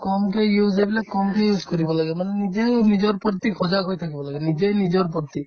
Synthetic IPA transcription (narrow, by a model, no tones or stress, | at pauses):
kɔmkejuzebilakɔmkejud͡ʒkɔɾibɔlaɡemanenid͡ʒenid͡ʒɔɾpɔɾt̪ikʰɔd͡ʒaɡɦojt̪ʰakibɔlaɡenid͡ʒejnid͡ʒɔɾp̬ɔɾt̪i